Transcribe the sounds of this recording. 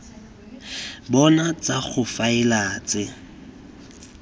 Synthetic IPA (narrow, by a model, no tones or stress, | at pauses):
bɔnat͡saɣʊfaɪlaːt͡sɪ